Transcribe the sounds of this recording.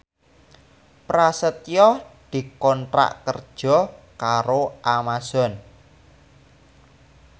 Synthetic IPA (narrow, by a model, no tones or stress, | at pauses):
pɾasət̪jɔd̪̥i̤kɔnʈɾa̰ʔkə̰rd̥ʒ̥ɔ̤ | kaɾoʔamaz̥ɔn